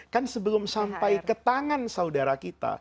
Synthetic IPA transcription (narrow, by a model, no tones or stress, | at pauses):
kansəbəlʊmsampajkət̪aŋansaudaɾakit̪a̰